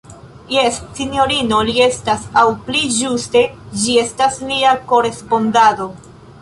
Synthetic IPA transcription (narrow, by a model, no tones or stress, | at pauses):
jesːino̞ɾino̞lie̞stasawplid͡ʒuste̞d͡ʒie̞stasliako̞ɾe̞spo̞ndado̞